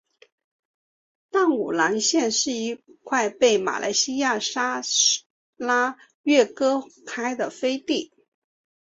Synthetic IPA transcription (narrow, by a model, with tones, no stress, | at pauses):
t̪a˥˩ŋṵ˨˩la˧˥ŋɕjɛ˥˧nʂɻ̩˥˧i˥˧kʰwa˥˧ɪpe˥˩ɪma̰˨˩lʔa̰˧˥ɪɕi˥ja˥˩ʂa˥ | la˥ | ɥɛ˥˩kɤ˥kʰa˥ɪd̪ə˨fe˥ɪt̪i˥˩